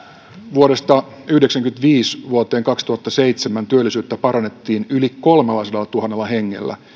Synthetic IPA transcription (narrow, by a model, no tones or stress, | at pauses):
ʋuoɾest̪ɑ | yhdeksæŋkymnt̪ʋiːsʋuot̪ˑe̞ːŋkɑkst̪uhɑt̪ːɑse̞jt̪semænt̪yølːisyːt̪ːæpɑɾɑnet̪ːiːnyliko̞lmelːɑiselːɑt̪uɦɑnːelːɑhe̞ŋːḛlːæ̰